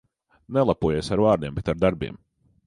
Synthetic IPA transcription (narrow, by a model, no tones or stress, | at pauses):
nɛlˠapuɔjejsaɾvaːɾnʲiɛmbɛt̪aɾd̪aɾbḭɛm